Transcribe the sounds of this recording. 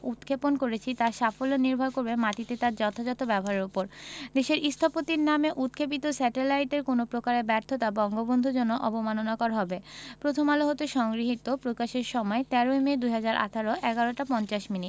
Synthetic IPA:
ut̪kʰeponkoɾet͡ɕʰit̪aʃafoloniɾbʱaɾkoɾbemaʈit̪et̪aɾd͡ʑɔt̪ʰad͡ʑɔt̪obɛboɦaɾeɾopoɾd̪eʃeɾʔist̪ʰopot̪iɾnameʔut̪̚kʰep̬it̪osɛʈelajʈeɾkonopɾokaɾebɛɾt̪ʰːot̪abɔŋɡobond̪ʱud͡ʑonːoʔɔbomanonakɔɾaɦɔbepɾot̪ʰomaloɦot̪oʃɔŋɡɾiɦit̪opɾokaʃeɾʃɔmɔet̪ɛɾoemed̪ujɦad͡ʑaɾʔa̰t̪ʰaɾoʔɛɡaɾoʈapɔnt͡ɕaʃminiʈ

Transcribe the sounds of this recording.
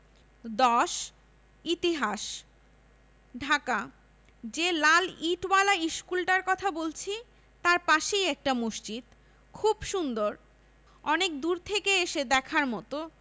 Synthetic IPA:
d̪ɔʃ | it̪iɦaʃ | ɖʱaka | d͡ʑelaliʈwalaiʃkulʈaɾkɔt̪ʰabolt͡ɕʰi | t̪aɾpaʃejɛk̚ʈamuʃt͡ɕid̪ | kʰubʃund̪oɾ | ɔnek̚d̪uɾt̪ʰekeeʃed̪ɛkʰaɾmɔt̪o

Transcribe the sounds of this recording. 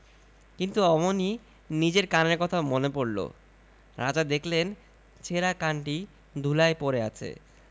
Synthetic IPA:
kint̪uɔmoni | nid͡ʑeɾkaneɾkɔt̪ʰamonepoɾlo̰ | ɾad͡ʑad̪ekʰlen | t͡ɕʰeɾakaɳʈi | d̪ʱulaepoɾea̰t͡ɕʰḛ

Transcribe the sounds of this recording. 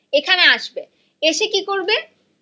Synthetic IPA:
ekʰaneaʃbe | eʃekikoɾbe

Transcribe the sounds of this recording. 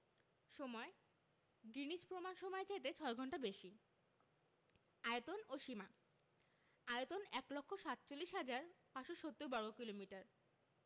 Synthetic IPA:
ʃɔmɔe | ɡɾinid͡ʑpɾomanʃɔmɔet͡ɕajt̪̬et͡ɕʰɔeɡʱɔɳʈabeʃi | ajet̪onoʃima | ajot̪onɛklɔkʰːoʃat̪t͡ɕolːiʃɦad͡ʑaɾpaʃoʃot̪ːuɾbaɾokilomiʈaɾ

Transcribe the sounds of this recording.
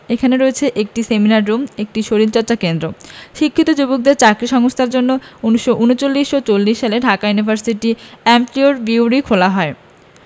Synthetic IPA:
ekʰaneɾoet͡ɕʰeʔek̚ʈiseminaɾːumek̚ʈiʃoɾilt͡ɕɔɾt͡ɕakend̪ɾoʃikʰːit̪od͡ʑubok̚d̪eɾt͡ɕakɾiʃɔŋost̪ʰaɾd͡ʑonːouniʃːoʔunot͡ɕolːiʃot͡ɕolːiʃːaleɖʱakajunibʱaɾsiʈiɛmflioɾbiuɾikʰolaɦɔe

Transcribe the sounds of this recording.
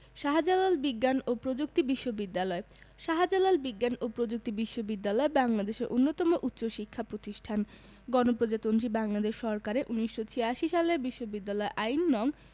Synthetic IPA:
ʃaɦad͡ʑalalbiɡːanopɾod͡ʑuk̚t̪ibiʃːobid̪ːalɔe | ʃaɦad͡ʑalalbiɡːanopɾod͡ʑuk̚t̪ibiʃːobid̪ːalɔebaŋlad̪eʃeɾʔonːot̪ɔmoʔut̪ːɕoʃikʰːapɾot̪iʃʈʰan | ɡɔnopɾod͡ʑat̪ont̪ɾibaŋlad̪eʃʃɔɾkaɾeʔuniʃːot͡ɕʰijaʃiʃalebiʃːobid̪ːalɔeʔajnːɔŋ

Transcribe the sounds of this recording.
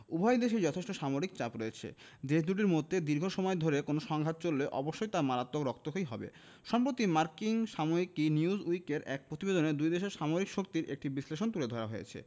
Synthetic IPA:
ubʱɔjd̪eʃid͡ʑɔt̪ʰeʃʈoʃamoɾik̚t͡ɕapɾoet͡ɕʰḛ | d̪eʃd̪ʱuʈ̬iɾmod̪ʱːed̪iɾɡʱoʃɔmɔed̪ʱoɾekonoʃɔŋɡʱat̪̚t͡ɕolːeʔɔboʃːojt̪aɾmaɾat̪ːokɾɔk̚t̪oɦojɦɔbḛ | ʃɔmpɾot̪imaɾkiŋʃamoikiniuzujkeɾɛk̚pɾot̪ibed̪oned̪ujd̪eʃeɾʃamoɾikʃok̚t̪iɾʔḛk̚ʈibisleʃont̪uled̪ʱɔɾaɦojḛt͡ɕʰḛ

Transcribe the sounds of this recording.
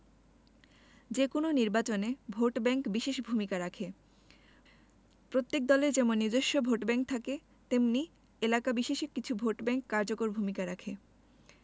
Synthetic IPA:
d͡ʑekononiɾbat͡ɕonebʱoʈbɛŋkbiʃeʃbʱumikaɾakʰe | pɾot̪ːek̚d̪ɔleɾd͡ʑɛmonːiɾd̪oʃːobʱoʈbɛŋk̚t̪ʰake | t̪emni | elakabiʃeʃekːit͡ɕʰubʱoʈbɛŋkːaɾd͡ʑokoɾbʱumikaɾakʰe

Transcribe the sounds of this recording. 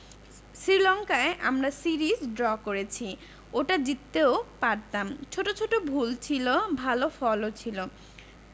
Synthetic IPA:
sɾilɔŋkaeʔa̰mɾasiɾisɖɾɔkoɾet͡ɕʰi | oʈad͡ʑit̪ːeopaɾt̪amt͡ɕʰoʈot͡ɕʰoʈobʱult͡ɕʰilobʱalofɔlot͡ɕʰilo

